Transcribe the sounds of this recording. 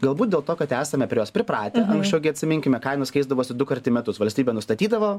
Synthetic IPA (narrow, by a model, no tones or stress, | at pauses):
ɡɐlˠbuːt̪dʲeːlˠt̪oːkɐt̪æːsɐmʲɛpʲɾʲɪjoːspʲɾʲɪpɾɑːt̪ʲɛʔɐ̰ŋksʲt͡ʃʲɛʊɡʲɪɐt̪ʲsʲɪmʲɪŋʲkʲɪmʲɛkɐɪnoskɐɪzd̪ɐʋoːsʲɪd̪ʊkɐɾʲt̪ʲɪmʲɛt̪ʊsʋɐlʲsʲtʲiːbʲɛːnʊst̪ɐt̪ʲiːd̪ɐʋoː